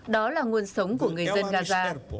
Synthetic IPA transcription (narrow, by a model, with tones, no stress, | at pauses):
ɗɔ˨˦laː˨˩ŋu˧ənsə˨˦wŋ͡mku˧˩əŋɨ˨˩ə˩jzə˧nɣaː˧zaː˧